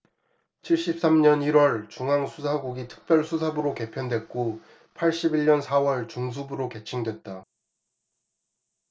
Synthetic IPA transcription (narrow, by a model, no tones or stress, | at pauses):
t͡ɕʰiɭɕ͈ip̚s͈amɲʌniɾwʌɭt͡ɕuŋɦaŋsʰusʰaɡuɡitʰɯ̥k̚p͈jʌɭsʰusʰabɯɾoke̞pʰjʌndwe̞k̚k͈o | pʰaɭɕ͈ibiɭɲʌnsʰawʌɭt͡ɕuŋs̬ʰubɯɾoke̞t͡ɕʰiŋdwe̞t̚t͈a